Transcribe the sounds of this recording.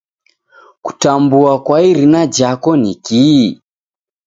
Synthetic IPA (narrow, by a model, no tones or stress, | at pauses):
ku̥tambuakwaiɾinad͡ʒakɔniki